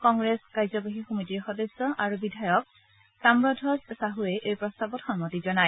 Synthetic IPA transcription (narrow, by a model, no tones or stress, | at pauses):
kɔŋɡɹeskajzɔbaɦixomitiɹxɔdesːɔʔaɹubidʱajɔk̚ | samɹɔdʱɔzsaɦuɛʔejpɹɔstabɔtxɔnmɔtizɔnaj